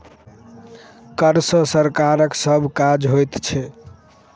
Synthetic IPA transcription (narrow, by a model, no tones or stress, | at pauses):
kəɾsəsəɾkaɾəksəbʱkad͡ʒɦojt̪t͡ʃʰɛ